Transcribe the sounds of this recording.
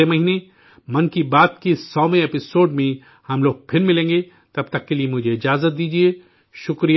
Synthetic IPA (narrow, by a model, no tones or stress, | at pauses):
emɐɦiːne | mɐnkibaːt̪kisɔːmẽeːpɪsoːɖmẽ | hɐmloːɡ̚pʰɪɾmɪlẽːŋɡe | t̪ɐb̚t̪ɐkːeliemʊd͡ʒʱeɪd͡ʒaːzət̪̚d̪iːd͡ʒie | ʃʊkɾij